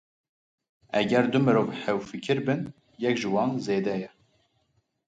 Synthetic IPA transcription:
ɛɡɛɾd̪umɨɾoːvħɛwfɨkʰɨɾbɨn | jɛkʒɨwɑːnzeːd̪ɛjɛ

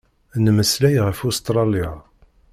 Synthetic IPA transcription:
nməslæjʁəfust̪ɾˤɑlija

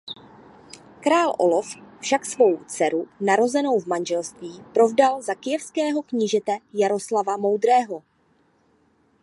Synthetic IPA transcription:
kɾaːlʔo̞̰loffʃaksvo̞wt͡sɛɾunaɾo̞zɛno̞wvmanʒɛlst̪viːpɾo̞vdalzakɪjɛfskɛːɦo̞kɲɪʒɛt̪ɛjaɾo̞slavamo̞wd̪ɾɛːɦo

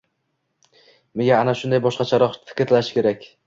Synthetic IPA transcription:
me̞ɡʲaːnaʃʊnd̪ajbɒʃqɑt͡ʃʰaɾɒqt̪ɪ̥kʲɾlaʃɪ̥kʲe̞ɾakʲ

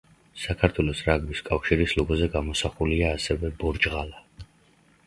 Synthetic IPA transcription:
sakʰaɾt̪ʰwɛlɔsɾaɡbiskʼafʃiɾislɔɡɔzɛɡamɔsaχuliaːsɛvɛbɔɾd͡ʒʁala

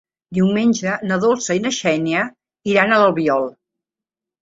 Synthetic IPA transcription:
d̪iwmenʲd͡ʒənəðolˠsəinəʃɛniə | iɾanələlˠβiɔlˠ

